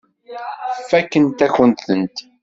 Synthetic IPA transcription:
fːækːənt̪æçənθənt̪

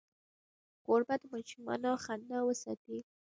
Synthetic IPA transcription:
koɾbad̪mɑʃumɑ̰noxand̪awəsɑ̰t̪i

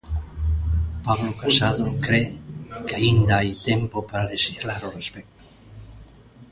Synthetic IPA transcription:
paβlokasaðokɾekaind̪aajt̪empopaɾaleʃiɣlaɾorespɛk̚t̪o̥

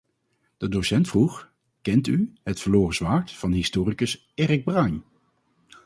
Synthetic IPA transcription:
d̥ədosɛntfruχ | kɛntyɦətfəloːrəsʋaːɹtfɑnɦɪstoːrikəs | eːrɪɡ̚brɑjɲ

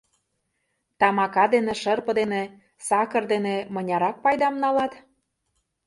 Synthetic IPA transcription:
t̪ɑmɑkɑd̪enĕʃɤrpɤ̆d̪ene | sɑkə̆rd̪enemɤ̆nʲɑɾɑk̚pɑjd̪ɑmnɑlɑt̪

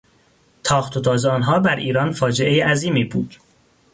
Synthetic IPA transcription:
t̪ʰɒːχt̪ʰot̪ʰɒːzɒːnɦɒːbæɾʔiːɾɒːnfɒːd͡ʒeʔejeʔæziːmiːbuːd̪̥

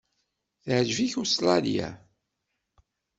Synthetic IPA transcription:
θʕʒviçuslɑlja̰

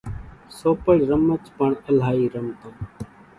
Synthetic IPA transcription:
soːpəɽɾəmət͡ʃpəɳəlɦaːiːɾəmt̪õː

